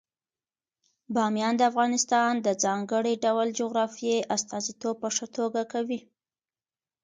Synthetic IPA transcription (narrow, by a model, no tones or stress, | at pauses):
bɑmjɑnd̪əafɣɑnɪst̪ɑnd̪əd͡zɑŋɡəɽiɖawld͡ʒoɣɾɑfijeʔast̪ɑzit̪ob̚pəʂət̪oɡakawi